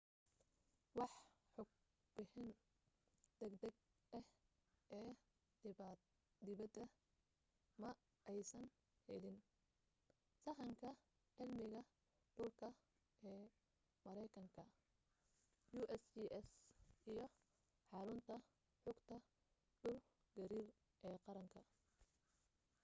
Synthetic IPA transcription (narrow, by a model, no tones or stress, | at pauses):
wɑħħʊɡ̚ | b̥ɪħɪn | d̪̥ɐɡd̪ɐɡ | ɛh | ʔɛː | d̪ɪ | d̪ɪβɐd̪ɐ | mɐ | ʔɛjsɐn | hɛlɪn | sɐɦɐŋkʰɐ | ʕɪlmɪɣɐ | ɖ̥ʊlkʰɐ | ɛː | mɐɾɛjkʰɐŋkʰɐ | juːʔɛsiʔɛsijɞ | ħɑɾʊnt̪ʰɐ | ħʊɡt̪ʰɐ | ɖ̥ʊl | ɡɐɾiːr | ʔɛːqɑɾɐŋkʰɐ